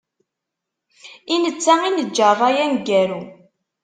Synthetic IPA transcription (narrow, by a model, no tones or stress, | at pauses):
inət͡sːæinəd͡ʒːəɾˤæjænɡæɾu